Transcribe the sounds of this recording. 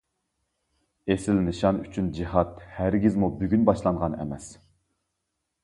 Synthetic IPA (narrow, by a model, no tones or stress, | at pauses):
esɪlnɨʃɑnyt͡ʃʰynd͡ʒiɦɑt̪hæɾɡʲizmubyɡʲynbɑʃlˠɑɴʁɑnɛ̰mɛs